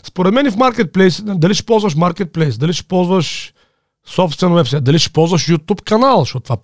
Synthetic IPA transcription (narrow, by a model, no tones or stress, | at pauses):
spoɾɛt̪mɛnifmaɾkɛt̪̚plɛjsd̪ɐliʃi̥pɔlˠzvɐʃ̬maɾkɛt̪̚plɛjsd̪ɐliʃi̥pɔlˠzvəʃ | sɔpst̪vɛnwɛpsajt̪d̪ɐlʲiʃi̥pɔlˠzvɐʃjut̪upkɐnalˠzʃtɔt̪t̪va